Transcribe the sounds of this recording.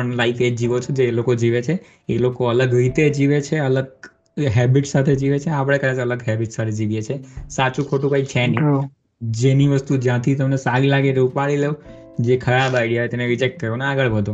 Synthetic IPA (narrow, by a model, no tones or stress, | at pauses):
əɳlaifed͡ʒd͡ʒiʋot͡ʃʰod͡ʒeːlokod͡ʒiʋet͡ʃʰe | elokoələɡɾit̪ed͡ʒiʋet͡ʃʰeələɡ̚ | ɦɛbiʈsat̪ʰed͡ʒiʋet͡ʃʰeapəɽ̃ekəd̪at͡ʃələɡɦɛbiʈsat̪ʰed͡ʒiʋjet͡ʃʰesat͡ʃũkʰoʈũkait͡ʃʰɛni | d͡ʒeniʋəst̪ud͡ʒjãt̪ʰit̪əmnesaɾilaɡeɾeupaɭile | d͡ʒekʰəɾabaɪɽijaet̪eneɾid͡ʒek̚ʈ̚kəɾonaɡəɭbʱəd̪õ